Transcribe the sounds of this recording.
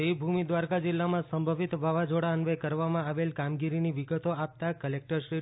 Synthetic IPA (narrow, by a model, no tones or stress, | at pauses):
ibʱumid̪ʋaɾkad͡ʒɪlːamãsəmbʱəʋit̪bʱaʋad͡ʒoɽaənʋekəɾʋamãaʋelkamɡiɾiniʋiɡət̪oap̚t̪akəlek̚ʈəɾʃɾi